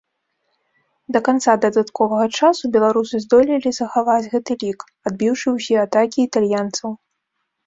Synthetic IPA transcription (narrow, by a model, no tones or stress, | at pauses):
d̪ɐkant̪sad̪ɐd̪at̪kɔvɐɣɐt͡ʂasubʲɛlˠaɾusɨzd̪ɔlʲilʲizɐxavad͡zʲɣɛt̪ɨlʲik | ad̪̚bʲiwʂɨwsʲɛat̪akʲiːt̪alʲjant̪sɐw